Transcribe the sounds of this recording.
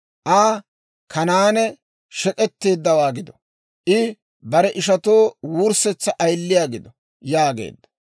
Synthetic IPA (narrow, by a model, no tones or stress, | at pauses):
ʔaː | kʰɐnaːnɛ | ʃɛkʼɛt̪ːe̞ːd̪ːɐwaːɡɪd̪ɔ | ʔɪ | bɐɾɛʔɪʃɐt̪oːwuɾsɛt͡sːɐʔɐjlːɪjaːɡɪd̪ɔ | jaːɡḛːd̪ːɐ̥